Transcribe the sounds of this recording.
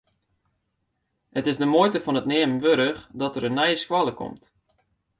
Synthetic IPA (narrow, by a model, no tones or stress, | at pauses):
hətɪzdəmojtəfɔnətneːmənʋøɾəχdɔtəɾənːɛjəskwaləkɔ̰mt